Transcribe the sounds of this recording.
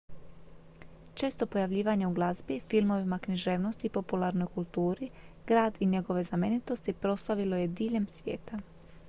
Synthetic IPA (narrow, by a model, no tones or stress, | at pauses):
t͡ʃe̞ːst̪o̞po̞jaʋʎiːʋaɲeuɡlˠazbifilˠmo̞ʋimakniʒe̞ʋno̞st̪ipo̞pulˠaɾno̞jkulˠt̪uːɾi | ɡ̥ɾaːd̪iɲe̞ɡo̞ʋe̞zame̞nit̪o̞st̪ipɾo̞slaʋilo̞je̞d̪iːʎe̞msʋʲjḛːt̪a